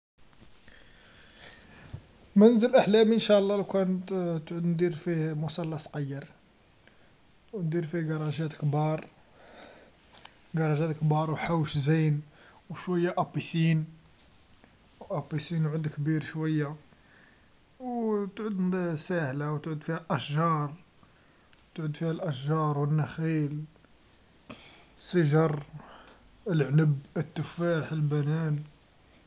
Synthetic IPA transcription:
mænzəlʔaħlæminʃæʔlˤːɑlkænt̪t̪ʕud̪nd̪iɾfimʊsɑlːɑsˤqɑjːəɾ | wnd̪iɾfiɡɑɾˤɑʒæt̪kbɑɾˤ | ɡɑɾˤɑʒæt̪kbɑɾˤwħawəʃzijnwʃwæjːaʔɑpːisin | wʔɑpisinʕʊd̪kbiɾʃwæjːa | wt̪ʕud̪nsæhlawt̪ʕud̪fihælʔæʃʒɑɾˤ | t̪ʕud̪fihælʔæʃʒɑɾˤwənːæxil | səʒɑɾˤ | əlʕnəbət̪ːəfaħəlbænæn

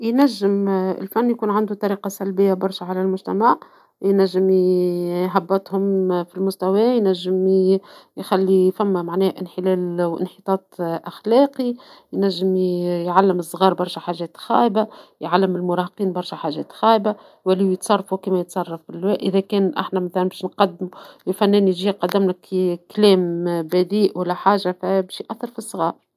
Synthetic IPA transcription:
jnæʒːɪmɪ̰lfænːjkuːnʕand̪ut̪ˤɑɾiːqɑsælbɪjːabɑɾˤʃæʕalælmʊʒt̪æmaʕ | jnæʒːɪm | ɦabːæt̪hʊmfilmʊst̪æwɛjnæʒːɪm | jxælːifæmːæmaʕnɛːhʔɪ̰nħɪlɛːlʔɪ̰nħət̪ˤɑːt̪ˤʔaxlæːqijnæʒːɪmjʕalːɪməsˤɣɑːɾˤbɑɾˤʃæħaːʒɛːt̪xɑ̰ːʔbajʕalːɪmɪlmʊɾˤɑːhqiːnbɑɾˤʃæħaːʒɛːt̪xæːba | wælːijət̪sˤɑrˤːɑfukiːmæjət̪sˤɑrˤːɑfbilːwɛːʔɪðækɛːnʔa̰ħnæmæθælænbɛːʃnqɑd̪ːmulfænːɛːnʒiːqɑd̪ːɪmnækklɛːmbæd̪iːʔwælːæħaːʒafæbɛːʃjʔæθːɑɾˤfisˤɣɑːɾˤ

